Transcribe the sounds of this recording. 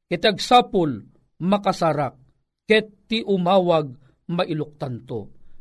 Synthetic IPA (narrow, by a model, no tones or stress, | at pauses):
kɛt̪aɡ̚sapʊl | mɐkasaɾak̚ | kɛt̪ːiʔʊmaːwaɡ̚ | maʔilʊk̚t̪ant̪o̰